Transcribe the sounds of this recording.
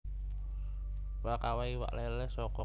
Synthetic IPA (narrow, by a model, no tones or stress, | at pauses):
wakawaiwa̰ʔlelɛsɔkɔ